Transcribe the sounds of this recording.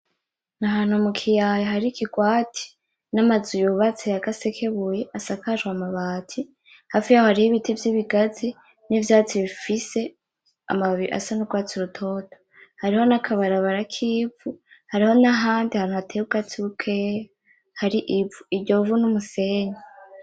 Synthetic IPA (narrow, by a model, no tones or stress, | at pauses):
naɦaːn̥humukʰijajaɦaɾikiɡwaːtʰi̥ | namazujuβat͡sejakasekʰeβujeʔasakaʒwamaβaːtʰi | hafijahohaɾihiβitʰivjiβiɡazi | nivjaːt͡siβifise̞ | a̰maβiiʔa̰sanuɡwaːt͡siuɾutʰo̞ːtʰo̥ | haɾiho̞nakʰaβaɾaβaɾakʰiːbvuhaɾiho̞naɦaːndiahaːnhuhatʰeuɡat͡siβukʰeja | haɾiʔibvuiɾɟovunumuse̞ːɲa